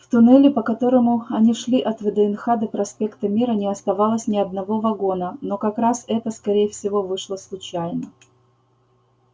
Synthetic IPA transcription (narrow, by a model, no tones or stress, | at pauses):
ft̪ʊnɛlʲɪpəkɐt̪o̞ɾəmʊɐnʲiʂlʲiʔɐt̪vəd̪əɪnxad̪ɨpɾɐspʲe̞kt̪əmʲiɾənʲɪɐst̪ɐvalˠəsʲnʲɪɐd̪̚nɐvo̞vɐɡo̞nəno̞kɐkɾasɛt̪əskɐɾʲejəfsʲɪvo̞vɨʂlˠəslˠʊt͡ɕæjnə